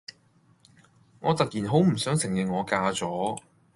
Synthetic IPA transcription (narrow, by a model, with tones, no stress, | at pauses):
ŋɔː˨˧t̪ɐ˨k̚jiː˨˩nɦo˨˥wm̩˨˩sœː˨˥ŋsɪ˨˩ŋjɪ˨ŋŋɔː˨˧kaː˧t͡sɔː˨˥